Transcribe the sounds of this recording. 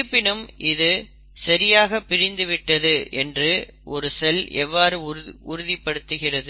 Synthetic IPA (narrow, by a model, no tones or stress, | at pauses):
pːɪnɯmʔɪðɯ | sɐɾɪjaːɣɐpːɪɾɪnd̪ɯʋɪʈːɐðɯʔɛndrɯ | ʔɔɾɯsɛlɛ̰ʋːaːɾɯʊɾɯðɪpːɐɽɯt̪ːɯɣɪrɐðɯ